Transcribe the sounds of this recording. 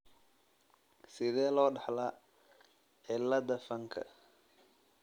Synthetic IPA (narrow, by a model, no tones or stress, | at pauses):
sɪðɛːlɔːɖɑħlɐ | ʕɪlɐðɐfɐŋkʰɐ̰